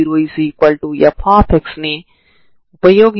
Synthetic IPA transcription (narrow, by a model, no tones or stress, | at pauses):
iɾoisiːkwɐlʈujɐpʰãːpʰeksni | pɐjoːɡ